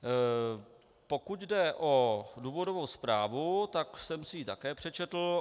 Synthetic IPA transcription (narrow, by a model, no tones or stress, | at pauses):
po̞kuc̪dɛʔoduːvo̞dovo̞wspɾaːvut̪aksɛmsɪjit̪akɛːpr̝̥ɛt͡ʃɛt̪l̩